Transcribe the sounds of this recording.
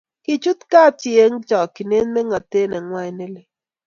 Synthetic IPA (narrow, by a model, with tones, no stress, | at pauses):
kɪ˨t͡ʃu˦t̪ka˦t͡ʃɪ˨e˦ŋt͡ʃɔ˨kɪ˨ne˦nmɛ˦ŋa˨t̪e˦nɛ˨ŋwa˦ɲ˦ne˦lɪ˦